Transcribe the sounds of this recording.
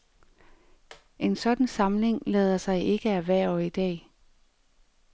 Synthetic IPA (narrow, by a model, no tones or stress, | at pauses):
ʔe̝nsɒ̽d̥n̩sɑ̈mle̝ŋlɛːð̞ˠɐsɑ̈ɪʔe̝ɡ̥əæʋæɐ̰ɒid̥ɛ̰ː